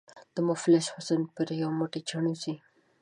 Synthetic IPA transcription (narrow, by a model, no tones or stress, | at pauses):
d̪̥əmʊflɪʃhʊsənpəɾjawmʊʈet͡ʃaɳosi